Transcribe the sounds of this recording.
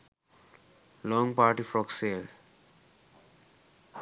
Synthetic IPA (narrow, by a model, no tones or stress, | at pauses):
lɔ̃ŋpaɾʈifɾɔksel